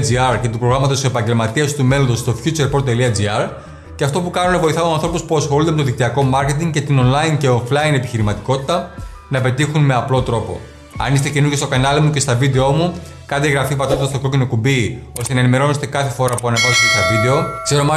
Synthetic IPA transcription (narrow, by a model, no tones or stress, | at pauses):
d͡ziɐɾce̞t̪upɾoɣɾɐmɐt̪osse̞pɐɲɟe̞lmɐt̪iɐst̪ume̞loðost̪o̞fçut͡seɾpot̪ːeliɐd͡ziɐɾ | ceɐft̪o̞pukɐnunevo̞iθɐoɐnθɾo̞puspuɐsxolund̪emt̪oðik̚t̪iɐko̞mɐɾce̞t̪iŋɡce̞t̪ino̞nlɐince̞oflɐine̞piçiɾimɐt̪iko̞t̪i̥t̪ɐ | nɐpe̞t̪ixunme̞ɐplo̞t̪ɾo̞po̞̰ | ɐ̰nist̪e̞cenuɾɣest̪o̞kɐnɐlimuce̞st̪ɐvid̪e̞o̞mu | kɐnd̪eɣɾɐfipɐt̪ot̪ɐsto̞ko̞cino̞kubio̞st̪enɐenime̞ɾo̞nest̪e̞kɐθe̞fo̞ɾɐpuɐnɐvɐzot̪est̪ɐvid̪e̞o̞kse̞ɾo̞mɐ